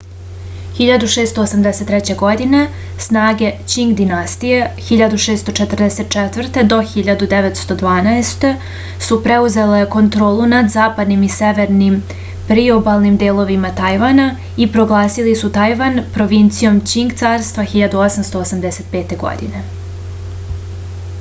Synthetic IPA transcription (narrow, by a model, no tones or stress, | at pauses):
xiʎad̪uʃeːst̪oːsamd̪ese̞t̪ːɾɛt͡ɕe̞ɡo̞d̪ine̞ | snaːɡe̞t͡ɕiŋɡd̪inast̪ije̞xiʎad̪uʃeːst̪o̞t͡ʃet̪r̩d̪ese̞t̪̚t͡ʃɛt̪vr̩t̪e̞d̪o̞xiʎad̪ud̪eʋet̪st̪o̞d̪ʋaːnaest̪e̞ | supɾeuze̞le̞ko̞nt̪ɾo̞ːlˠunad̪zaːpad̪nimiseʋe̞ɾnim | pɾiobalˠnimd̪eːlˠo̞ʋimat̪ajʋana | ipɾo̞ɡlˠaːsilisut̪ajʋanpɾo̞ʋint̪sijo̞mt͡ɕiŋɡt̪saːɾst̪ʋaxiʎad̪uosamst̪o̞osamd̪ese̞t̪̚pe̞ːt̪e̞ɡo̰d̪ḭne̞